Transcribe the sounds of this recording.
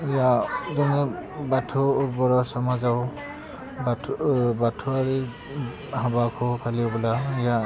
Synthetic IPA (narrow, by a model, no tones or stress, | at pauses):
ijazɔnɛbatʰɔbɔɹɔsɔmazaw | babatʰɔaɾi | habakʰɔkʰaliɔbɔlaija